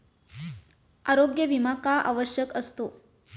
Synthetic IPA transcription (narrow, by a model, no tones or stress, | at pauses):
aɾoɡjəʋimakaʔa̰ʋəɕjəkəst̪o